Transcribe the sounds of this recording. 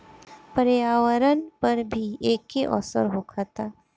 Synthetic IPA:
pəɾjaːwəɾənpɐɾbʱieːkːeʔɔ̰ːsə̰ɾɦoːkʰaːt̪aː

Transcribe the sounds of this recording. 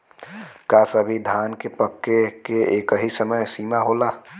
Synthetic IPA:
kaːsɐbʱid̪ʱaːnkepɐkːekeeːkɦisəməjsiːmaɦoːlaː

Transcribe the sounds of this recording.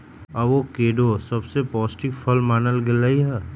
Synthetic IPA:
aʋokeːɖosɐbsepɔːsʈɪkpʰɐlmaːnəlɡɪlaiɦɛː

